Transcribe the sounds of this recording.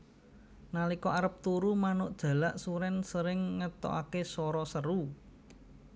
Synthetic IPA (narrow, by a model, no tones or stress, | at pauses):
nalikɔʔaɾəp̚t̪uɾumanʊʔd̥ʒ̥ä̤laʔsuɾɛnsəɾɪŋːət̪ɔ̰ʔakesɔɾɔsəɾu